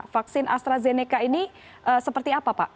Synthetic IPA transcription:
fak̚sɪnʔa̰st̪ɾazenekaini | ʔəsəpərt̪iapapaʔ

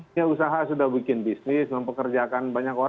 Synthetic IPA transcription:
ausaɦasudahbikɪnbisnɪsməmpəkərd͡ʒakanbaɲako

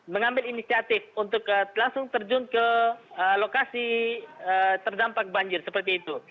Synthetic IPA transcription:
məŋambɪlinisiat̪ɪfunt̪ʊkəlaŋsʊŋt̪ərd͡ʒʊnkəəlokasiət̪ərdampak̚baɲd͡ʒɪrsəpərt̪iːt̪u

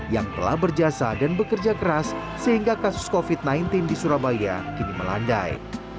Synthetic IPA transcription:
jaŋt̪əla̰hbərd͡ʒasadanbəkərd͡ʒakəɾasː | əɦiŋɡakasʊ̥skofit̪̚najnt̪ɪndisuɾabaja̰kiniməla̰nda̰j

